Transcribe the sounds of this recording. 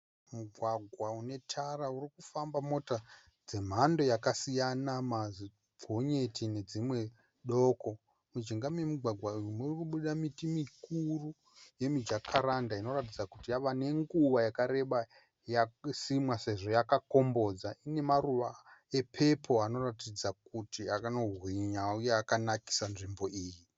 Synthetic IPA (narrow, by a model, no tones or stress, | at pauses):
muɡʱwaɡʱwaune̞tʰaraurikufambamo̞ta | d͡ze̞m̤ando̞jakasijanamazi | bʱoɲe̞tine̞d͡zimwe̞ | ɗo̞ːko̞ | mud͡ʒiŋɡamwemuɡʱwaɡʱwaujumurikuɓuɗamitimikuru | je̞mid͡ʒakʰaɾandaino̞rat̬id͡zakutijaʋane̞ŋɡuʋajakaɾe̞ɓa | jasimwase̞ʐo̞jakako̞mbo̞d͡zaine̞maruʋae̞pʰe̞pʰo̞ano̞ratid͡zakutiakano̞rwiɲaujeakanaki̥sanʐimbo̞iːji